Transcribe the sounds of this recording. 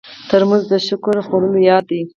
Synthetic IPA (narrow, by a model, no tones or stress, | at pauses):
t̪əɾmanzd̪əʃʊkʊɾxoɽulojɑd̪i